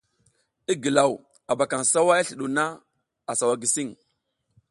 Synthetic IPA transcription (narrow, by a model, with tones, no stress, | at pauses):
i˦ɡi˨la˨w | a˨ba˨ka˨ŋsa˦wa˦ja˦ɬi˨ɗu˨na˦ | a˨sa˨wa˨ɡi˨si˦ŋ